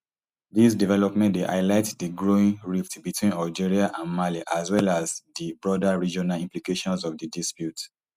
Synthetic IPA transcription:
dis̬divɛlɔpmɛ̃ntdeʔa̰ɪlaɪtdiɡɹoĩŋɹiftbitʰwĩnald͡ʒiɹiaʔãnmaliʔaswɛlazdibɹɔdaɹid͡ʒɔnalĩmplikeʃɔ̃nsɔfdidispjut

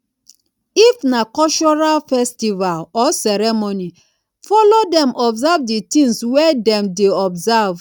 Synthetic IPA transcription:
ifnakɔlt͡ʃɔɹalfɛstivalɔsɛɾɛmoni | fɔlodɛ̃mʔɔbzavditĩŋswɛdɛ̃mdeɔbzav

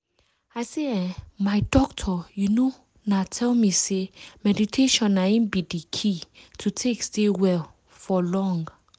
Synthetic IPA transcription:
ajseɛ̃majdɔk̚tʰɔjuno | natʰɛlmisemɛditʰeʃɔ̃naĩnbidikʰitʰutʰekstewɛl | fɔlɔ̃ŋɡ

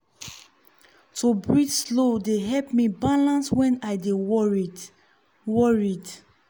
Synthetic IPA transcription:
tʰubɹid͡ʒslodeɦɛlpmibalãnswɛ̃naɪdewɔɹid | wɔɹid

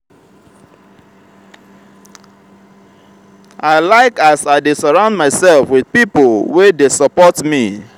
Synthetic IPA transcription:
aɪlaɪkasaɪdesɔɹãʊ̃ndmaɪsɛlfwið̥pipolwedesɔpɔtmi

